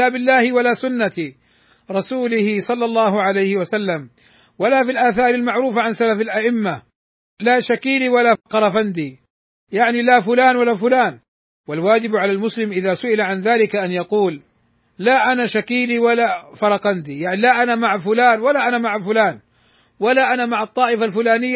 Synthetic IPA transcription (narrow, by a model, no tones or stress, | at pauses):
aːbɪlːaːhɪwalasʊnːat̪ | ɾˤɑsuːlɪhɪsˤɑlːɑlˤːɑːhʊʕalajhɪwasalːam | walaːfilʔaːθɑːɾˤalmaʕɾuːfaʕansalafalʔaʔɪmːa | laːʃakiːliwalaːqɑɾˤɑfand̪iː | jaʕnilafʊlaːnwalaːfʊlaːn | walwaːd͡ʒɪbʕalalmʊslɪmʔɪðaːsʊʔɪlaʕanðaːlɪkaʔanjɑquːlː | aːʔanaʃakiːliwalaːfɑɾˤɑqɑnd̪ijaʕnilaʔanamaʕafʊlaːnwalaʔanamaʕafʊlaːn | walaʔanamaʕɑt̪ˤːɑːʔɪfalfʊlaːnɪjːa